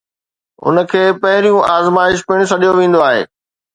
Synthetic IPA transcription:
ʊ̰nəkʰeːpɐɦɪɾijũʔaːzmaːɪʃpɪɽ̃sɐɗijoʋẽːn̆d̪oaːɦḛː

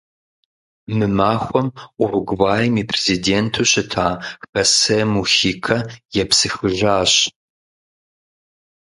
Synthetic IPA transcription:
mɨmaːxʷɔmʔʷʊrɡʷwaːjmiːpʰrezideːntʰuːɕɨtʰaːxɐsɐmuxiːkʰɐjɛpsɨxɨʒaːɕ

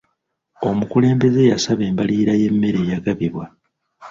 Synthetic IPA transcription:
o̞mukule̞ːmbe̞ze̞jasaβe̞ːmbaliːɾaje̞mːe̞ɾe̞ːjaɡaβiβwa

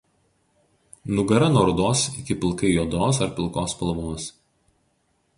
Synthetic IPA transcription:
nʊɡɐɾɐnoːɾʊd̪oːsɪkʲɪpʲɪlˠkɐɪjoːd̪oːs̬ɐɾpʲɪlˠkoːspɐlˠɐʋoːs

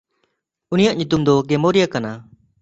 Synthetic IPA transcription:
unijaʔɲut̪umd̪ɔɡɛmoɾijakana

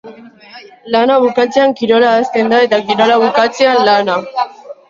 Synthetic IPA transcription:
lanaβukat͡seaŋkiɾo̞laast̪e̞nd̪ae̞t̪ak̬iɾo̞laβukat͡seanlana

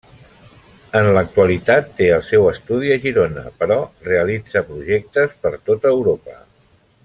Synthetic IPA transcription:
ənlək̚t̪uəlit̪at̪ːeəlˠsɛwəst̪uð̞iəʒiɾonə̰pəɾɔreəlid͡zəpɾuʒek̚t̪əspəɾt̪ot̪əːwɾopə̰

